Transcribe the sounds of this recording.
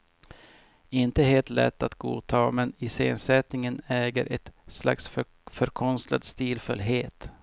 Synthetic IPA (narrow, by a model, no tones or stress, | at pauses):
ɪnt̪əɦeːlt̪lɛ̰t̪ːat̪ɡṵːt̪ʰɑːmɛnɪsḛːnsɛt̪nɪŋənɛːɡəɾʔɛt̪sla̰ks | fœɾkʰɔnst̪la̰d̪st̪iːlfɵlɦeːt̪